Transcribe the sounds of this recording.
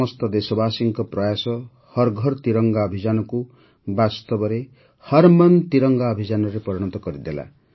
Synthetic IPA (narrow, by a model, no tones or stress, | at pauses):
ɔst̪ɔd̪esɔbasiŋkɔpɾɔjasɔ | hɔɾɡʱɔɾt̪iɾɔŋɡaɔbʱid͡ʒanɔku | bast̪ɔbɔɾe | hʌɾmɔnt̪iɾɔŋɡaɔbʱid͡ʒanɔɾepɔɾɔɽ̃ɔt̪ɔkɔɾid̪ela̰